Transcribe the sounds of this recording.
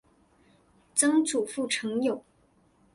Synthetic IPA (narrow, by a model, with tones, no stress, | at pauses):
t͡sɤ˥ŋt͡su˨˩fu˥˩ʈ͡ʂʰɤ˧˥ŋjo˨˩ʊ